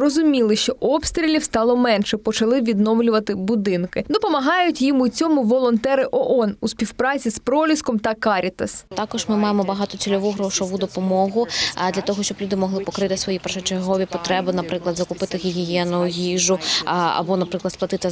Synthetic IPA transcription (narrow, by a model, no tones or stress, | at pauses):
rɔzʊmʲilˠɪʃt͡ʃɔʔɔpst̪ɾʲilʲiwst̪ɑlˠɔmɛnʃɛpɔt͡ʃɐlˠɪʋʲid̪nɔmlʲʊʋɐt̪ɪbʊd̪ɪnkɪd̪ɔpɔmɐɦɑjʊtʲjimʊt͡sʲɔmʊʋɔlˠɔnt̪ɛɾɪʔɔʔɔnusʲpʲiwpɾɑt͡sʲispɾɔlʲiskɔmt̪ɐkɑɾʲit̪ɐst̪ɑkɔʒmɪmɑjemɔbɐɦɑt̪ɔt͡sʲilʲɔʋuɦɾɔʃɔʋud̪ɔpɔmɔɦʊd̪lʲɐt̪ɔɦɔʃt͡ʃɔblʲud̪ɪmɔɦlˠɪpɔkɾɪt̪ɪsʋɔjipɛrʃɔt͡ʃerɦɔʋʲipɔt̪ɾɛbɪnɐpɾɪklˠɐd̪zɐkʊpɪt̪ɪɣʲiɣʲijɛnʊjʊjʲiʒʊɐ̰bɔnɐpɾɪklˠɐd̪splˠɐt̪ɪt̪ɪ